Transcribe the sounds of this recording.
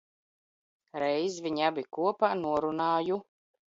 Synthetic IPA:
ɾɛjzvʲiɲabʲikuɔpaːnuɔɾunaːju

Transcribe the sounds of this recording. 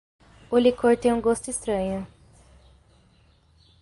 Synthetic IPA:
olikʰoɾt̪ẽjũɡost̪ʊist̪ɾɐ̃ɲʊ

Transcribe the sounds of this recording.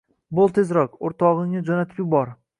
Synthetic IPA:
bʊlˠt̪ʰezɾɒqoɾt̪ʰɒʁɪŋɪd͡ʒɒnat̪ʰɪpʲɪbɒɾ

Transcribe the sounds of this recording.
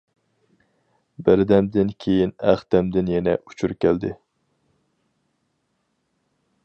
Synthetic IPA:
bɪɾd̪ɛmd̪ɪnkʲʰejinæχd̪ɛmd̪ɪnjɛnɛʔut͡ʃʰuɾkʲʰɛld̪ɪ

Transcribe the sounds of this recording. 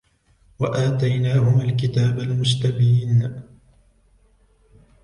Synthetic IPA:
waʔaːt̪ajnaːhʊmalkɪt̪aːbalmʊst̪abiːn

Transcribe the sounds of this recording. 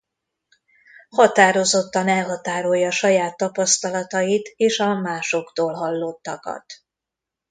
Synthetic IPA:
hɒt̪aːɾo̞zo̞t̪ːɒnɛlɦɒt̪aːɾo̞jːɒːʃɒjaːt̪ːɒpɒst̪ɒlɒt̪ɒjit̪eːʃɒmaːʃo̞kt̪oːlɦɒlːot̪ːɒkɒ̰t̪

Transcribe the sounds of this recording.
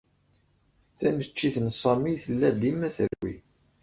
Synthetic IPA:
θænət͡ʃːiθənsˤɑmiθəlːæd̪imæθə̰lwḭ

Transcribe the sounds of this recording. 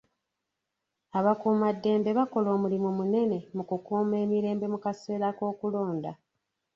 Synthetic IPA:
aβakuːmadːe̞ːmbe̞βako̞lo̞ːmulimumune̞ne̞mukukuːme̞ːmiɾe̞ːmbe̞mukase̞ːɾako̞ːkulo̞ːnda̰

